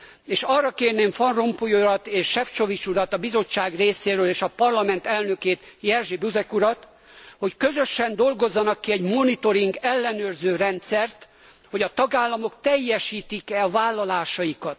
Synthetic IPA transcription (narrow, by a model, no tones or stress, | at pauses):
eːʃɒrːɒkeːrneːɱfɒnro̞mpujoɾɒt̪eːʃːɛft͡ʃo̞vit͡ʃuɾɒt̪ɒbizo̞t͡ʃːaːɡreːseːɾøːleːʃɒpɒrlɒmɛnt̪ɛlnø̞keːt̪ | jɛrʒibyzɛkuɾɒt̪ | ho̞ckø̞zø̞ʃɛnd̪o̞lɡo̞zːɒnɒkːiɛɟmo̞nit̪o̞ɾiŋɡɛlːɛnøːrzøːrɛnt̪sɛrt̪ | ho̞ɟɒt̪ɒɡaːlːɒmo̞kt̪ɛjːɛʃiːt̪ikɛɒvaːlːɒlaːʃɒjikɒt̪